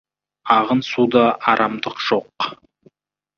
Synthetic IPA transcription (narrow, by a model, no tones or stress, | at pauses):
ɑʁənsud̪ɑʔɑɾʔɑmd̪əqʒ̥o̞q